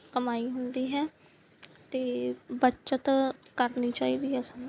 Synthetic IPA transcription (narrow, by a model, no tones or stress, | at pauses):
kəmaːiːɦʊnd̪iːɦɛː | t̪eːbətːʃət̪kəɾniːt͡ʃaːiːd̪iːɦɛsən